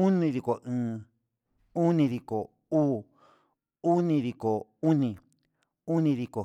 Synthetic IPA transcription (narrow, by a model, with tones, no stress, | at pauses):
u˦nĩ˧ði˧ko˨ʔɨ̃ː˨˧ | u˦nĩ˧ði˧ko˨ | uː˦ | u˦nĩ˧ði˧ko˨u˦nĩ˧ | u˦nĩ˧ði˧ko˨